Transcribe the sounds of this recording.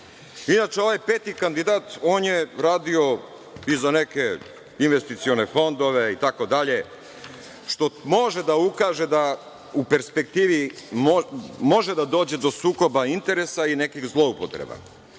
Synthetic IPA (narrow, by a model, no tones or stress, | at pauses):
inat͡ʃeo̞ʋajpeːt̪ikand̪id̪aːt̪oːnjeɾaːd̪io̞ | izaneke̞ | inʋe̞st̪it̪sio̞ne̞fo̞nd̪o̞ʋe̞it̪ako̞d̪aʎe̞ | ʃt̪o̞mo̞ʒe̞d̪aukaːʒed̪a | upe̞ɾspe̞k̚t̪iːʋi | mo̞ʒed̪ad̪o̞ːd͡ʑe̞d̪o̞suːko̞baint̪e̞ɾesainekixzlˠo̞upot̪ɾḛba̰